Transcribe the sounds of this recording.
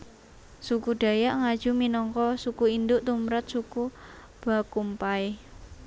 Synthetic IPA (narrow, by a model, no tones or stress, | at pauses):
sukuɖ̥a̤jaʔŋad̥ʒ̥uminɔŋkɔsukuind̪ʊʔt̪umɾat̪̚suku | b̥a̤kumpae